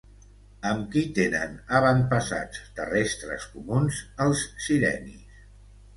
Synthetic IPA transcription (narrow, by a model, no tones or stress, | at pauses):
əmkit̪enə̰nəβəmpəsa̰t͡st̪ərest̪ɾə̰skumunzəlˠsːiɾɛ̰nḭs